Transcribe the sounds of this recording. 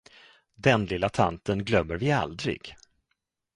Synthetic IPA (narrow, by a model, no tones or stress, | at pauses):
d̪ɛnlɪlːat̪ʰa̰nt̪ənɡlœmːəɾvɪa̰ld̪ɾɪ̰ɡ̥